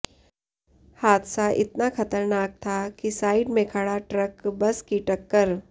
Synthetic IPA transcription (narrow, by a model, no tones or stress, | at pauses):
haːd̪saʔɪt̪nakʰɐt̪əɾnaːk̚t̪ʰakisaːɪɖmẽkʰɐɽaʈɾəkbɐskiʈɐkːəɾ